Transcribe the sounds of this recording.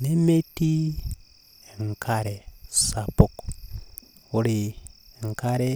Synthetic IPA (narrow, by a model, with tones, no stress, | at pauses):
ne˦me˦ti˦ | ŋkʰaɾe˨sa˨puk | u˨ɾiŋkaɾe